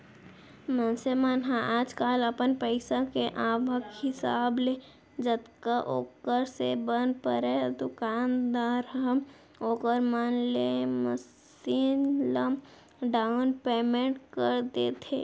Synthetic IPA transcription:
mənsemaːnɦãʔaːd͡ʒkaːləpənpəɪsakeʔaːbʱəkhɪsaːble | d͡ʒət̪kaʔoːkəɾsebənpəɾed̪okaːnd̪aːɾɦɦəm | oːkəɾmənleməs | iːnləm | ɖaʊnpeːmẽɳʈkəɾd̪eːt̪ʰḛː

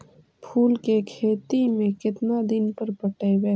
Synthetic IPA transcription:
pʰuːlkekʰeːt̪imẽkɪt̪nad̪ɪnpəɾpəʈəjbɛː

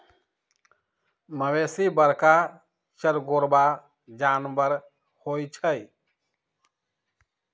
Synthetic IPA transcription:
məʋeːsibəɾka | ʃəɾɡoːɾba | d͡ʒaːnbəɾ | hoːjt͡ʃʰəj

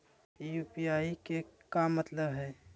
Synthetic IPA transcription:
juːpiaːikekamɐt̪ləbɦɛː

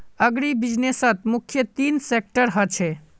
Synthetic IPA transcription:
əɡɽibid͡ʒnesət̪mukʰːjət̪insek̚ʈəɾɦət͡ʃʰɛ

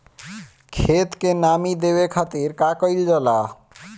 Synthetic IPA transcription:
kʰet̪kenamid̪ebekʰat̪iɾkakojld͡ʑɔla

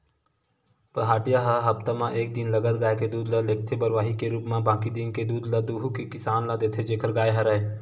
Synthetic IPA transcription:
pəɦaːʈijaɦəɦɐpt̪amãʔeːk̚d̪inləɡəd̪ɡaːeked̪uːd̪lɐleːk̚t̪ʰebəɾʋaːɦikeɾuːpmãbãːkid̪inked̪uːd̪lɐd̪uːɦukekɪsaːnlad̪eːt̪ʰed͡ʒeːkʰəɾɡaːeɦɐɾəe

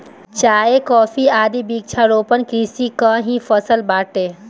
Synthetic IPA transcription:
t͡ʃaːekɔːfiaːd̪ibik̚t͡ʃʰaɾoːpənkɾiːsikãɦĩfəsəlbaːʈeː

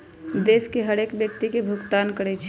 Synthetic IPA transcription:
d̪eːskeɦəɽeːkbjək̚t̪ikebʱʊɡt̪aːnkəɽɛt͡ʃʰ

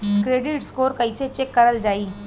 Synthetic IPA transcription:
kɾeːɖɪʈskoːɾkəiset͡ʃeːkːəɾəld͡ʒaːiː

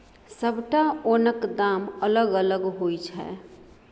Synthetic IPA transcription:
səbʱʈaoːnəkd̪aːmələɡələɡɦoːit͡ʃʰɛ̰ː

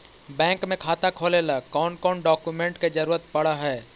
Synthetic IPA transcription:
bɛ̃ːŋkmẽkʰaːt̪akʰoːleːlakɔːnkɔːɳɖɔːkjumẽɳʈked͡ʒɐɾuːɾət̪̚pɐɽaɦɛː

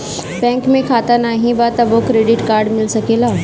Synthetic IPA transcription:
bɛ̃ŋkmẽkʰaːt̪anaɦĩʋat̪əbokɾeɖɪʈkaːɾɖmɪlsəkela

